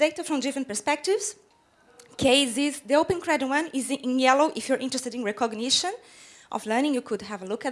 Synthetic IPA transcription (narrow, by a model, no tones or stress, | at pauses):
deɪtafɾɔ̃mdɪfɾə̃nt̚pəɹspɛk̚tɪvz̥ | kʰeɪzɪzd̪iowpə̃nkɹɛd̃wʌ̃nɪz̃njɛloʔɪfjuɹʔɪ̃ntɹɛstɨɾĩnɹɛkɔɡniʃɔ̃n | ʔɔ̰vlɜ˞nɪ̃ŋjukʰud̪ɦɛvəlukæt